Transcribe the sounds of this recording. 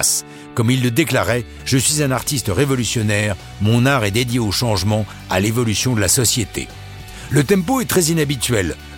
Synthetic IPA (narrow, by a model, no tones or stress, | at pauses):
s | kɔmilːəd̪eklaʁɛ | ʒ̥əsɥizɛ̃naʁt̪ist̪əʁevɔlysjɔnɛʁ | mɔ̃naʁɛd̪ed̪jeoʃɑ̃ʒmɑ̃ | a̰levɔlysjɔ̃d̪əlasɔsjet̪ḛ | lət̪ɛ̃poɛt̪χɛzinabit̪ɥɛl